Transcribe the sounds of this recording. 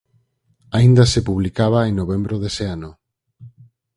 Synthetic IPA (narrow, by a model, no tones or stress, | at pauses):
aind̪asepuβlikaβ̞aeŋnoβembɾoðeseanʊ